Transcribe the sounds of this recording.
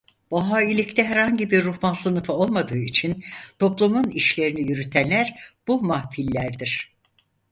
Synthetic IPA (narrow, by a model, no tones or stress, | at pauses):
b̥aɦaːilʲict̪ʰɛɦɛɾhaɲɟibiɾːuxmansɯnɯfɯo̞lˠmad̪ɯːit͡ʃʰint̪ʰo̞plˠumuniʃlʲe̞ɾinijyɾyt̪ʰænlːʲæɾb̥umahfilʲːæɾd̪iɾ̥